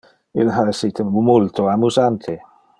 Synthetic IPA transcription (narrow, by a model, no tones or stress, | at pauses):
ḭlɦaesit̪emumolt̪oamuzant̪ʰe